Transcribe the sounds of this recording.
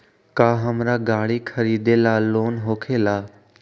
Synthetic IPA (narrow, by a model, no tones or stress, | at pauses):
kaːɦəmɾaɡaːɽikʰəɾiːd̪elaːloːnɦoːkʰeːlaː